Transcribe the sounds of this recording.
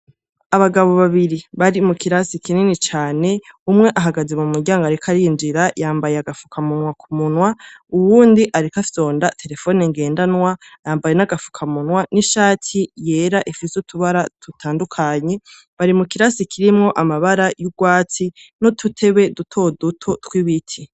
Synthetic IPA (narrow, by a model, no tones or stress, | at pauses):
aβaɡaβo̞βaβiɾiβaɾimukiɾasikininit͡ʃaːne̞umŋe̞ʔaɦaɡaze̞mumuɟaːŋɡaɾikʰaɾiːnd͡ʒiɾajaːmbajeaɡafu̥kʰamunwakʰumunwauβuːndiʔaɾikafso̞ːndatʰe̞ɾe̞fo̞ːneŋɡe̞ːndanŋwajaːmbajenaɡafu̥kʰamunwaniʃaːtʰije̞ːɾaʔifisutʰuβaɾatutʰaːndukʰaɲe̞ | βaɾimukiɾasikʰiɾimŋo̞ʔamaβaɾajuɡwaːt͡sinotʰutʰe̞βe̞dutʰo̞dutʰo̞twiβitʰi